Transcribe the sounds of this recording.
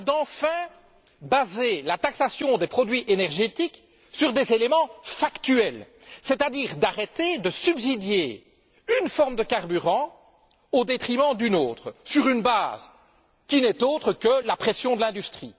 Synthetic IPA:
d̪ɑ̃fɛ̃ | bazelat̪aksasjɔ̃d̪epχɔd̪ɥiʔenɛʁʒet̪ik | syʁd̪ezelemɑ̃fakt̪yɛl | sɛt̪ad̪iːʁd̪aʁet̪ed̪əsybzid̪je | ynfɔʁmd̪əkaʁbyʁɑ̃ | od̪et̪χimɑ̃d̪ynoːt̪χəsyʁynbaːz | kʲinɛt̪oːt̪χəkəlapχesjɔ̃d̪əlɛ̃d̪yst̪χḭ

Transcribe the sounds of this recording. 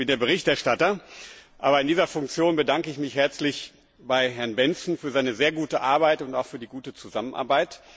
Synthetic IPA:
b̥ɪndeːɐbəʁɪçtɛɐʃtatɐʔa̰ːbɐɪndiːzɐfʊŋkt͡sjoːnbədaŋkəɪçmɪçhɛɐt͡slɪç | b̥aɪɦɛɐnbɛnt͡sn̩fyːɐzaɪnəzeːɐɡuːtəʔaɐbaɪtʊntaʊxfyːɐdiːɡuːtət͡suzamənʔa̰ɐbaɪt

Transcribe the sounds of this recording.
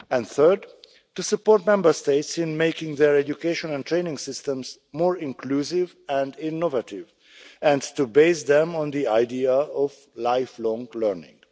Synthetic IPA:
ɛ̃nd̪θɜɹd | tusupɔɾt̚mɛ̃mbəɹsteɪtsĩnmeɪkɪ̃ŋðɛɹɛd͡ʒjukeɪʃɔ̃nɛ̃nt̪ɹẽnɪ̃ŋɡsɪstɛ̃ms | moːɹĩŋkluːsɪv | ɛ̃ndɪnːovatɪv | ɛ̃ndtubeɪsd̪ɛ̃mɔ̃nd̪iajdiaɔv | lajflɔ̃ŋlɜɹnɪ̰̃ŋɡ

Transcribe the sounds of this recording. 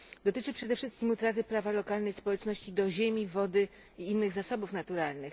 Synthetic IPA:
d̪ɔt̪ɘt͡ʂɘpʂɛd̪ɛfʂɘst̪kʲimut̪ɾat̪̬ɘpɾavalɔkalnɛjspɔwɛt͡ʂnɔɕt͡ɕid̪ɔʑemʲivɔd̪ɘ | iinːɘɣzasɔbufnat̪uɾalnɘx

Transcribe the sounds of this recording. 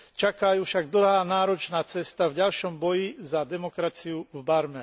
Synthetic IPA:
t͡ʃakajuːfʃaɡ̚d̪l̩ˠɦaːnaːɾɔt͡ʃnaːt͡sɛst̪avɟalʃɔmbɔjizad̪ɛmɔkɾat͡siuvbaɾmɛ

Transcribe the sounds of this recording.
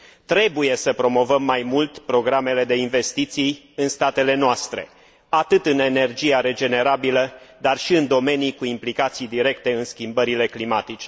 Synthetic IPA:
t̪ɾe̞buje̞səpɾo̞mo̞vəmːajmult̪pɾo̞ɡɾame̞le̞d̪e̞inve̞st̪it̪sij | ɨnst̪at̪e̞le̞noast̪ɾe̞̰ | at̪ɨt̪ɨne̞ne̞rd͡ʒijaɾe̞d͡ʒe̞ne̞ɾabiləd̪arʃiɨnd̪o̞me̞nijkuimplikat̪sijd̪iɾe̞kt̪e̞ɨnskʲimbəɾile̞klimat̪it͡ʃe

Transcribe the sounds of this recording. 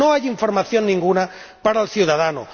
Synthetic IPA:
oajiɱfoɾmaθjonːĩŋɡuna | paɾalθjuðaðano̰

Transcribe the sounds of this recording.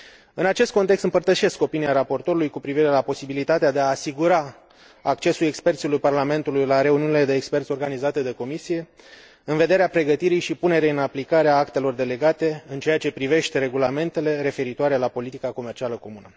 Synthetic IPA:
ɨnat͡ʃe̞st̪̚kont̪ekst̪ɨmpərt̪əʃe̞sko̞piniaɾapo̞rt̪o̞ɾulujkupɾiviɾe̞lapo̞sibilit̪at̪ead̪e̞aːsiɡuɾaː | k̚t͡ʃe̞sule̞kspe̞rt̪silujparlame̞nt̪ulujlaɾe̞uniunile̞d̪e̞ːkspe̞rt̪sʲo̞rɡanizat̪e̞d̪e̞ko̞misije̞ | ɨnve̞d̪e̞ɾeapɾe̞ɡət̪iɾijʃipune̞ɾeɨnaplikaɾeaakt̪e̞lo̞rd̪e̞le̞ɡat̪e̞ɨnt͡ʃe̞jat͡ʃe̞pɾive̞ʃt̪e̞ɾe̞ɡulame̞nt̪e̞le̞ɾe̞fe̞ɾit̪oaɾe̞lapo̞lit̪ikako̞me̞rt͡ʃialəko̞munə

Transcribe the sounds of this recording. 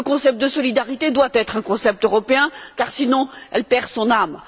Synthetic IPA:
ləkɔ̃sɛp̚t̪̚d̪əsɔlid̪aʁit̪ed̪wat̪ɛt̪χɛ̃kɔ̃sɛp̚t̪øʁɔpeɛ̃kaʁsinɔ̃ɛlpɛʁsɔ̃nam

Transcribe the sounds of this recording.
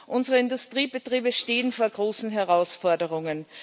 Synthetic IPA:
ʔʊnzəʁəɪndʊstʁ̥iːbətʁ̥iːbəʃteːənfoːɐɡʁoːsn̩ɦɛʁaʊsfɔɐdəʁʊŋən

